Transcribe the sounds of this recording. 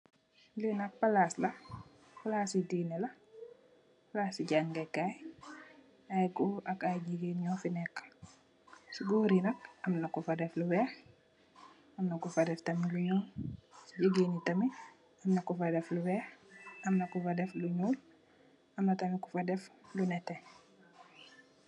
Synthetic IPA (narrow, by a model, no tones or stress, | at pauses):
linɐk̚palaːslɐ | fulaːsidinɛlɐ | fulasiɟaːŋɡɛkaj | ajɡuɐkaɟiɡenɲɔːfinɛkː | siɡuːɾinɐkɐmnɐkufɐdɛfluwɛːx | ɐmnɐkufɐdɛftɐmiluɲɔːsiɟiɡinitɐmi | ɐmnɐkufadɛfluwɛːxɐmnɐkufadɛfluɲuːl | ʔɐmnɐtɐmikufadɛflunɛtɛ